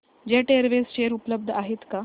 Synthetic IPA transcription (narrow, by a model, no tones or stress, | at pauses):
d͡ʑeʈeəɾʋest͡ɕeəɾupləb̚d̪ʱaɦet̪ka